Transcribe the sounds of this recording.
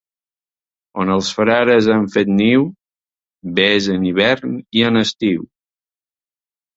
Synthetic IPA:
onəlˠsfɾaɾəzaɱfet̪niw | bezəniβ̞ɛɾniənəst̪iw

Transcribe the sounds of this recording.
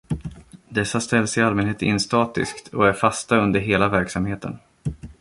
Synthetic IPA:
d̪ɛsːast̪ɛlːsɪalmɛnheːt̪ɪ̰nst̪ɑːt̪ɪ̰skt̪ʰɔæɾfast̪aɵnd̪əɾɦeːlavæɾksamheːt̪ʰə̰n

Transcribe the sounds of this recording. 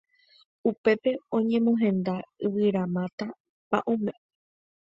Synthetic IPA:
upe̞pe̞õɲẽ̞mõɦẽ̞nd̪aɨʋɨɾãmãt̪a | pa̰ʔõmẽ̞

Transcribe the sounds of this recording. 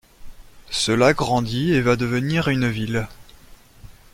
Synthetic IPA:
səlaɡʁɑ̃d̪ievad̪əvəniʁynvil

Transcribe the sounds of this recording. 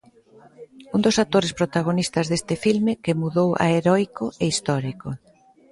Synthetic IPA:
und̪osat̪oɾespɾot̪aɣ̞onist̪ɐzðest̪ɪfilmɪkemuðowʔa̰eɾɔjkoeist̪ɔɾiko

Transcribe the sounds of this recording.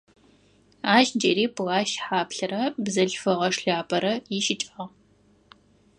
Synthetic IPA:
aːʒd͡ʒeɾiːpʰɣaːʃħaːpɬɐɾɐbzɐɬfɨʁɐʂɬaːpʼɐɾɐjɪʃɪt͡ʃʼɐʁ

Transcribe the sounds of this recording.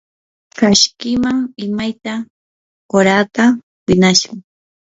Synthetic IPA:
kaʃkɪmaŋɪmajt̪a | koɾat̪a | wɪnaʃʊŋ

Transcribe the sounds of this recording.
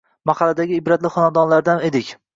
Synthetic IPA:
maχɑlad̪aɡʲɪɪbɾat̪lɪχɒnad̪ɒnlaɾd̪aned̪ɪkʲ

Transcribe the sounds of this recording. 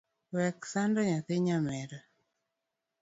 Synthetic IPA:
wɛksandɔɲatɪɲamɛɾa

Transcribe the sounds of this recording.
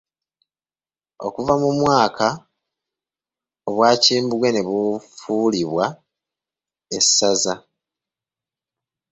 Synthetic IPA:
o̞̰kuvamumwaːkʰa | oβwaːciːmbuɡwe̞ne̞βufuliβwa | esːaza

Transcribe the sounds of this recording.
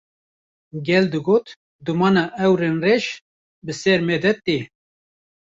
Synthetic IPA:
ɡɛld̪ɨɡoːt̪ | d̪umɑːnɑːʔɛwɾeːnreːʃ | bɨsɛɾmeːd̪ɛt̪ːiː

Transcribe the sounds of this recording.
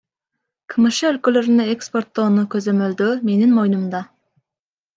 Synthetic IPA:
kʰɨmɨʃɛølkʲyløɾɪnɛekspoɾt̪ːonukʲʰøzemøld̪ʊmenɪŋmojnumd̪ɑ

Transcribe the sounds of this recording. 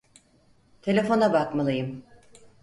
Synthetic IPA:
t̪ʰe̞lʲe̞fo̞nabakmalˠɯjɯm

